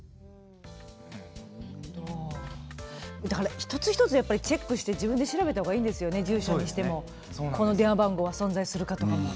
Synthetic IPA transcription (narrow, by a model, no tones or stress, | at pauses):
ahod̪o | d̪akaɾaçi̥t̪o̞t͡sɨ̥çi̥t̪o̞t͡sɨjapːaɾʲit͡ɕe̞kːɯɕi̥t̪e̞d͡ʑibɯ̟̃nd̪e̞ɕiɾabe̞t̪aɦhoːɡaiːnd̪e̞sɨjo̞ne̞d͡ʑɨːɕoːɲɲiɕi̥t̪e̞mo̞ | ko̞no̞d̪ẽabãŋɡo̞βasõ̞nd͡zaisɨɾɯ̟kat̪o̞kamo